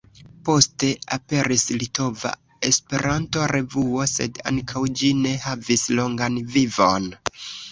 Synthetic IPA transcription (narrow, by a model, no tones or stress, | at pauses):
po̞ste̞ape̞ɾislito̞va̰ | e̞spe̞ɾʔanto̞ɾe̞vuo̞se̞da̰ŋkʰawd͡ʒine̞havislo̞ŋɡanvivo̞n